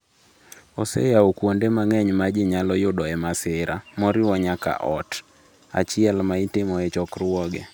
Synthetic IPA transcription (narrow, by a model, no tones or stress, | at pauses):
ɔsɛ̰jaokwondemaŋɛɲmad͡ʒɪɲalɔjʊɗɔɛmasɪɾʔamɔɾɪwɔɲaka̰ʔɔ̰t | a̰t͡ʃɪɛlmaitɪmɔɛt͡ʃɔkrʊwɔɡɛ̰